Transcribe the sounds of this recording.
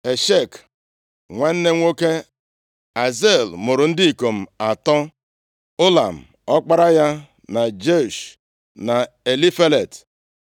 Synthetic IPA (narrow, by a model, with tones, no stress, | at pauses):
e˨ʃe˦˨k | ŋʷa˦n̩˦ne˦ŋʷo˦ke˦ | a˨ze˦˨lmʊ˨ɾʊ˨n̩˦dɪ˦i˨ko˨m̩˨a˨tɔ˦ | ʊ˦la˨m̩˨ | ɔ˦k͡pa˦ɾa˦ja˦ | na˨d͡ʒe˦˨ʃ | na˨ | e˨li˦fe˦le˨t